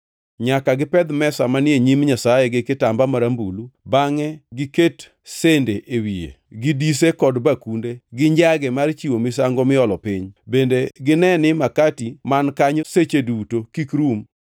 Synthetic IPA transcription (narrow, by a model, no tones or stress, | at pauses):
ɲakaɡɪpɛd̪mɛsamanɪeɲimɲasajɛɡɪkɪtambamaɾambulubaŋɛɡɪket | sendeʔewiḛɡɪdis̬ekɔdbakundeɡɪɲd͡ʒaɡɛmart͡ʃiwomɪs̬aŋɡɔmɪɔlɔpɪɲbendeɡɪnɛnɪmakatimankaɲset͡ʃedutokikɾum